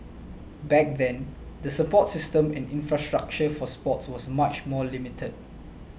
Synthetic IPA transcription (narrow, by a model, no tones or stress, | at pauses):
bɛk̚dɛ̃n | dəsəpɔtsistə̃mɛ̃nĩnfɹastɹak̚t͡ʃəfɔspɔtswɔsmat͡ʃmɔlimitʰəd̚